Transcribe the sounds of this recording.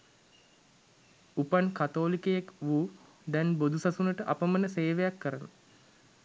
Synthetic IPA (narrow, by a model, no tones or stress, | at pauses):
upankat̪oːlikəjekʋuː | d̪ɛnbod̪usasunəʈəʔa̰pəmənəseːʋejakːəɾənə